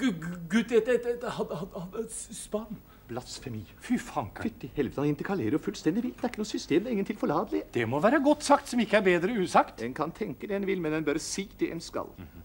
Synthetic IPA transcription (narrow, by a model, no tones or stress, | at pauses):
ɡʉd̪ɛt̪ɛt̪hɑhɑhspɑn | b̥lɑsfɛmiːfʏfɑkfʏt̪ːɪhɛlʋət̪əhɑnɪnt̪əɾkʰɑleːɾəjɔfʉlst̪ɛnd̪ɪʋiːd̪ɛæɾɪkːənuːsʏst̪eːmd̪æɾɪŋːənt̪ʰɪlfɔɭɑːd̪əlɪd̪ɛmɔʋæːɾəɡɔt̪ːsɑkt̪sɔmɪkːəæɾbeːd̪ɾəʉːsɑkt̪d̪ɛnkʰɑnt̪ʰɛŋkəd̪ɛɛnʋɪlmɛnd̪ɛnbœɾsiːd̪ɛʔɛ̰nskɑ̰l